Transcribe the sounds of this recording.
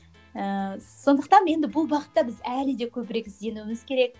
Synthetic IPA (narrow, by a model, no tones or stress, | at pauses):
əso̞nd̪əq̚t̪ɑnje̞nd̪ɪbʊlˠbɑqə̥t̪ːɑbɪzælɪd̪e̞kʲʰɵbɪɾekʲɪzd̪e̞nuɪmɪzkʲʰe̞ɾe̞k̚